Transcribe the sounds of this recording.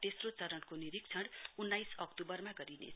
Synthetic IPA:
t̪esrot͡sʌɾʌɽkoniɾik̚t͡sʰʌɽunːajsʌkt̪ubʌrmaɡʌɾinḛ

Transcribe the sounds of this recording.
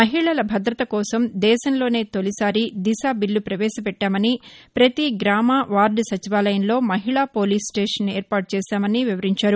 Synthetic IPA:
mɐɦiɭɐlɐbʱɐd̪ɾɐt̪ɐkɔːsɐmd̪ɛːʃɐnlo̞ːne̞ːt̪olisaːɾid̪iʃaːbiɭːupɾɐʋɛːʃɐpɛʈːaːmɐnipɾɐt̪iɡɾaːmaːʋaːɾɖsɐt͡ʃiʋaːlɐjɐnlo̞ːmɐɦiɭaːpo̞ːliːsʈeːʂɐneːɾpaːʈ̚t͡ʃɛːʃaːmɐniʋiʋɐɾiɲt͡ʃaːɾu

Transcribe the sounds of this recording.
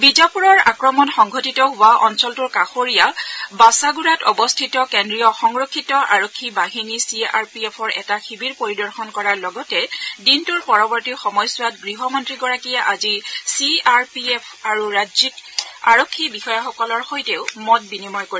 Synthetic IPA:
bizapuɹɔɹa̰kɹɔmɔnxɔŋɡʱɔtitɔɦʊwaʔɔnsɔltuɹkaxoɹijabasaɡuɹatɔbɔstʰitɔkendɹijɔxɔŋɹokʰːitɔʔa̰ɹokʰːibaɦinisiaɹpiɛpʰɔɹʔɛ̰taxibiɹpoɹidɔɹxɔnkɔɹaɹlɔɡɔtɛdintuɹpɔɹɔbɔɹtixɔmɔjsʊwatɡɹiɦɔmɔntɹiɡɔɹakijaʔazisiaɹpiɛpʰaɹuɹazikaɹɔkʰːibixɔjaxɔkɔlɔɹxojteʊmɔt̚binimɔjkoɹi

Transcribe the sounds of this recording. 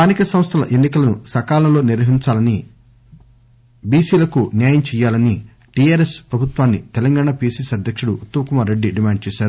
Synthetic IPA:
st̪aːnikɐsɐmst̪ʰɐlɐ̰ʔenːikɐlɐnusɐkaːlɐlo̞ːniɾʋɐɦiɲt͡ʃaːlɐni | biːsiːlɐkunjaːjɐmt͡ʃɛːjːaːlɐni | ʈiaːɾespɾɐbʱut̪ʋaːnːit̪ɛlɐŋɡaːɳapiːsisɐd̪ʱjɐkʂuɽuːt̪ːɐmɐkumaːɾːeɖːiɖimaːɳɖ̚t͡ʃɛːʃaːɾu

